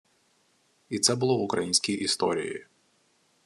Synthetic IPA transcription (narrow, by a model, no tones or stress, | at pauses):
it̪sɛbʊlˠɔʋʊkɾɐjinʲsʲkʲijʔist̪ɔ̰ɾʲḭjḭ